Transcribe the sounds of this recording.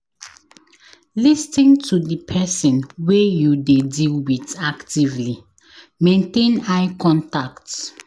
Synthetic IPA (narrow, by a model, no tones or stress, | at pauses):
listĩntʰudəpʰɛsĩnwejudedilwitaktivli | mẽntẽnaɪkʰɔ̃ntakt